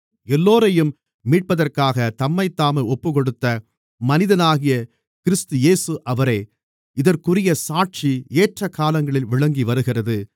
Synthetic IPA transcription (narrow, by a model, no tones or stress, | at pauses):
ɛlːoːɾɐjɯmː | iːʈ̚pɐðɐrkaːɣɐt̪ɐmːɐɪt̪ːaːmɐɔpːɯkɔɽɯt̪ːɐ | mɐnɪðɐnaːɣɪjɐ | kɪɾɪst̪ɯjeːsɯʔɐʋɐɾeː | ɪðɐrkɯrɪjɐsaːʈ̚t͡ʃieːʈrɐkːaːlɐŋɡɐɭɪlʋɪɭɐŋɡiʋɐɾɯɣɪrɐðɯ